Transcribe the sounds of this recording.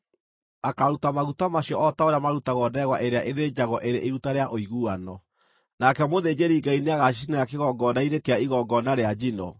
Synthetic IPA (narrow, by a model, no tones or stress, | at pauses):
akaɾutamaɣutamaɕjɔʔɔtaoɾjamaɾutaɣɔdɛɣwaʔeɾeaʔeðeɲd͡ʑaɣɔʔeɾeʔiɾutaɾeaʔoiɣuanɔ | nakɛmoðeːd͡ʑeɾiːɡaineaɣaʃisinajakeɣɔɡɔnaiɾekeaiɣɔɡɔnaɾead͡ʑinɔ̰